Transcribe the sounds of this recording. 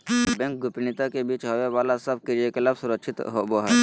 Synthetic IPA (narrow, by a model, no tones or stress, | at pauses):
bɛ̃ːŋk̚ɡʊpinit̪akebiːt͡ʃɦoʋeʋaːlasɐb̚kiɾijekɪlaːbsʊɾəkʃʰɪt̪ɦoboɦɛɛː